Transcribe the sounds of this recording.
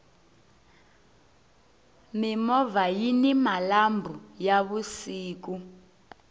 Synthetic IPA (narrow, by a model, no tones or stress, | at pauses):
mimɔvajinimalambʱujaβusiːk̬u